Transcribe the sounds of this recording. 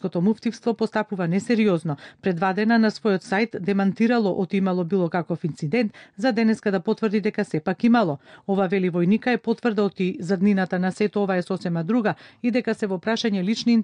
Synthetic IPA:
kɔt̪ɔmuft̪ifst̪vɔpɔst̪apuvanɛsɛɾiɔznɔpɾɛd̪vad̪ɛnanasvɔjɔt̪sajt̪d̪ɛmant̪iɾalˠɔʔot̪iimalˠɔbilˠɔkakɔfint̪sid̪ɛnt̪zad̪ɛnɛskad̪apɔt̪vrd̪id̪ɛkasɛpakimalˠɔɔvavɛlivɔjnikaɛpɔt̪vrd̪aɔt̪izad̪ninat̪anasɛt̪ɔɔvaɛsɔsɛmad̪ɾuɡaid̪ɛkasɛvɔpɾaʃaɲɛlit͡ʃnin

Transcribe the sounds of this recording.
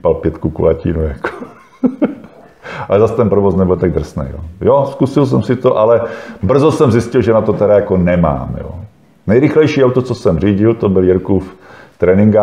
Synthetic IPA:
palpjɛt̪kukṵlacḭːnujakʰo̥ | alɛzast̪ɛnpɾovosnɛbʊlt̪aɡ̚d̪r̩snɛ̰jjo̰ːjoskusɪls̬ɛmsɪt̪oʔalɛbr̩zosɛmzɪscɪlʒɛnat̪ot̪ɛɾajako̞nɛma̰ːmjo̰ː | nɛjɾɪxlɛjʃiːawt̪ot͡sosɛmr̝iːɟɪlt̪obɪljɛɾkuːft̪ɾɛːnɪŋɡa

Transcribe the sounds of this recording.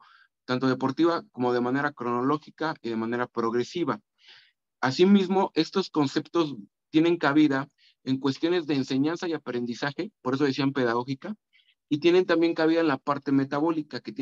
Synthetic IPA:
t̪ant̪o̞ð̞e̞po̞ɾt̪iβako̞mo̞ð̞e̞mane̞ɾakɾo̞no̞lo̞xikaiðe̞mãne̞ɾapɾo̞ɣɾe̞siβa | asimizmo̞ʔe̞st̪o̞sko̞nse̞pt̪o̞s | t̪je̞ne̞ŋkaβiða | e̞ŋkwe̞st̪jo̞ne̞zðe̞ːnse̞ɲansaiapɾe̞nd̪isaxe̞poɾe̞s̬o̞ðes̬iampe̞ðaɣo̞xika | it̪je̞ne̞nt̪ambjeŋkaβiðaenlapaɾt̪e̞me̞t̪aβo̞likaket̪je

